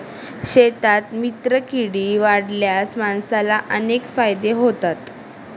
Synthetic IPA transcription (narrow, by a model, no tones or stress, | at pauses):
ɕet̪at̪mit̪ɾəkiɽiːʋaɽljasmansalaʔənekfajd̪eɦot̪at̪